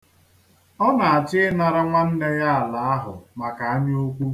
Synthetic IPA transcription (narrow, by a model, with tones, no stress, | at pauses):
ɔ˦na˨a˨t͡ʃɪ˦ɪ˦na˨ɾa˦ŋʷa˦n̩˦ne˦ja˦a˨la˨a˦ɦʊ̰˨ma˨ka˨a˦ɲ˦o˦kʷu˦